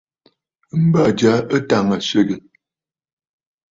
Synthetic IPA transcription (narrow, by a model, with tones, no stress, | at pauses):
m̩˦ba˦˨d͡ʒa˨˦ə˦ta˨ŋa˨sə˦˨ɡə˨